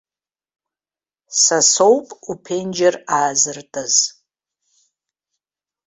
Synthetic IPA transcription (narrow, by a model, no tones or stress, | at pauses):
sasowpʼupʰend͡ʒaraːzɨrtʼaz̥